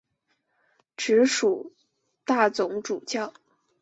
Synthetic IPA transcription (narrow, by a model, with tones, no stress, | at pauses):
ʈ͡ʂɻ̩˧˥ʂu˨˩ | t̪a˥˩t͡sʊ˧˥ŋʈ͡ʂu˨˩t͡ɕjɑ˥˩ʊ